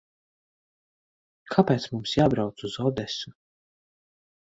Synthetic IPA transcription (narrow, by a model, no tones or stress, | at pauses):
kʰapeːt̪smumsjaːbɾawt̪suzɔd̪ɛsu